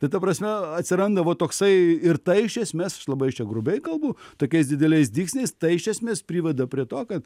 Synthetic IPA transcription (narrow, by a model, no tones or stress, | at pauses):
t̪ɐɪt̪ɐpɾɐsʲmʲɛɐt̪ʲsʲɪɾɐnd̪ɐʋoːt̪oːksɐɪɪɾt̪ɐɪɪʃʲɛsʲmʲeːsɐ̥ʃlˠɐbɐɪt͡ʃʲɛɡɾʊbʲɛɪkɐlˠbʊt̪oːkʲɛɪsd̪ʲɪd̪ʲɛlʲɛɪsd̪ʲiːksʲnʲɛɪst̪ɐɪɪʃʲɛsʲmʲeːspʲɾʲiːʋʲɛd̪ɐpʲɾʲiɛt̪oːkɐt̪